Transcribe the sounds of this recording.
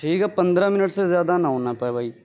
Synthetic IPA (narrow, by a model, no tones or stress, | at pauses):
ʈʰiːkɛpɐ̃nd̪ɾãmɪnəʈsezjaːd̪anaɦõːnapəebʱaːiː